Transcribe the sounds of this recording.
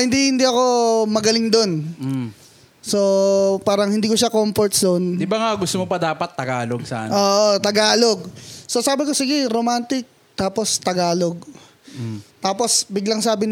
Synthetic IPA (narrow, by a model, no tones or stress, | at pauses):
hɪnd̪ihɪnd̪iʔɐko̞mɐɡɐlɪŋd̪on | so̞paːɾɐŋhɪnd̪iːkoʃakomfoɾt̪̚sd̪ond̪ɪbaŋaɡʊst̪omopɐd̪aːpɐt̪ːɐɡaːloɡsa̰ːnoːʔot̪ɐɡaːlo̞ɡ̚sosaːbɪko̞sɪɡɛɾomant̪ɪk̚ | t̪aːpo̞st̪ɐɡaːloɡ̚ | t̪aːpo̞sbɪɡlɐŋsaːbɪn